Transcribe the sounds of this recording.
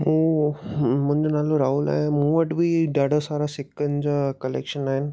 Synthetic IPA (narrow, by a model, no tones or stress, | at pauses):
ɦũː | mʊ̃ɦɪ̃ɲd͡ʑonaːloɾaːuːla̰ːɦɪnmũːʋəʈbʱiɖaːɽəsaːɾasɪkənɪd͡ʑaːkɐlḛːkʃənaːɦɪnɪ̆